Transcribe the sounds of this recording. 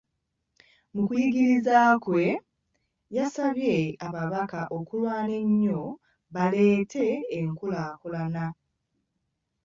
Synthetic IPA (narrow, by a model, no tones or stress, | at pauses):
mukujiɡiɾizaːkwe̞ | jasaβje̞aβaβakaʔo̞kulwaːne̞ɲːo̞ | βale̞ːtʰe̞ːŋkulaːkulana